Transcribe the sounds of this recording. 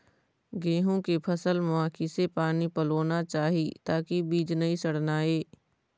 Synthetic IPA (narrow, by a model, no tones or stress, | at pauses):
ɡẽːɦõkepʰɐsəlmʊaːkisepaːnipɐloːnat͡ʃaːɦit̪aːkibiːd͡ʒnɐɦĩsɐɽ̤naːeː